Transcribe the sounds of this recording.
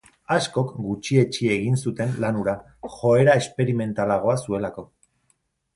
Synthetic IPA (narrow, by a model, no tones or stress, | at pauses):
asko̞kɡut͡ʃie̞t͡ʃie̞ɣinsut̪e̞nlanuɾa | xo̞e̞ɾae̞spe̞ɾime̞nt̪alaɣo̞asue̞lako̞